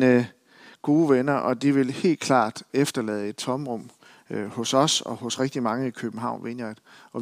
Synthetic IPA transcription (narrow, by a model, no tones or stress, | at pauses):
nə | ɡ̥o̝ːʋenɐʔɒ̽d̥iʋe̝lhe̝̰ːld̥̚kʰlɑ̰̈ːd̥efd̥ɐlɛːð̞̩ˠe̝d̥t͡sʰɒ̽mʁɔ̽m̰ | hɔ̽sɒ̽sɒ̰̽hɔ̽sʁeɡ̥̚d̥imɑ̈ŋəikʰøb̥m̩ɦɑ̈ʊ̰nʋʔenɐd̥ɒ̽